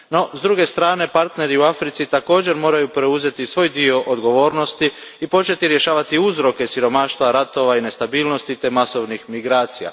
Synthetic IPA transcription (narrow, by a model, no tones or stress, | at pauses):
no̞zd̪ɾuɡe̞st̪ɾaːne̞paɾt̪ne̞ɾiuafɾit̪sit̪ako̞ːd͡ʑe̞ɾmo̞ːɾajupɾe̞uze̞t̪isʋo̞ːjd̪io̞ʔod̪ɡo̞ʋo̞ːɾno̞st̪iː | po̞t͡ʃe̞t̪iɾje̞ʃaːʋat̪iuzɾo̞ke̞siɾo̞maʃt̪ʋaɾat̪o̞ʋaine̞st̪abiːlˠno̞st̪it̪e̞maso̞ʋnixmiɡɾaːt̪sija̰